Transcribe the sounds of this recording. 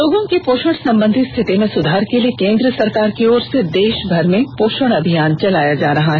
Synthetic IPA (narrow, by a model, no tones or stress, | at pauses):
loːɡõkepoːʃəɽsɐ̃mbə̃nd̪ʱit̪st̪ʰɪt̪imẽsʊd̪ʱaːɾkeliekẽːnd̪ɾəsɐɾkaːɾkeɔːɾsed̪eːʃbʱɐɾmẽpoːʃəɽ̃ɐbʱijaːnt͡ʃɐlaːjad͡ʒaːɾɐɦaɦɛ